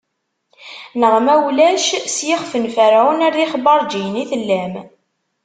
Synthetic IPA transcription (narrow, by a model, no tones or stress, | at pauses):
nəʁmæwlæʃsjɪχfənfəɾʕunæɾiχbɑɾˤd͡ʒijniθəlːæm